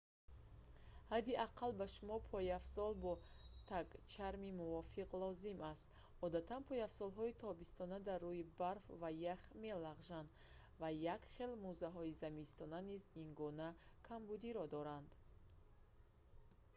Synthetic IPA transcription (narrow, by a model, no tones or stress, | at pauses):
had̪iaqʰalbaʃumɔpʰɔjafsɔlbɔt̪ʰaɡt͡ʃʰaɾmimuvɔfiqlɔzimast̪ | ɔd̪at̪ʰanpʰɔjafsɔlɦɔit̪ʰɔbist̪ɔnad̪arːuibaɾfvajaχme̞laʁʒand̪ | vajakχe̞lmuzaɦɔizamist̪ɔnaniziŋɡɔnakʰambud̪iɾɔd̪ɔɾand̪